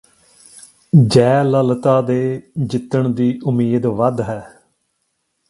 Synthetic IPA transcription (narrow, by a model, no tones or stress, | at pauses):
d͡ʒɛːləlt̪aːd̪eːd͡ʒɪt̪ːəɳd̪iːʔʊmiːd̪ʋəd̪ɦɛː